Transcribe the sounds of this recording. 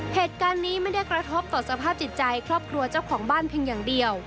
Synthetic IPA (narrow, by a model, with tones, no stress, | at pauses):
heː˨˩t̪̚kaː˧nːiː˦˥ma˥˩jda˥˩jkɾa˧t̪ʰo˦˥p̚t̪ɔː˨˩sa˧pʰaː˥˩p̚t͡ɕi˨˩t̪̚t͡ɕa˧jkʰɾɔː˥˩p̚kʰɾu˧ɐt͡ɕa˥˩wkʰɔː˩˦ŋbaː˥˩npʰeː˧ŋjaː˨˩ŋdi˧əw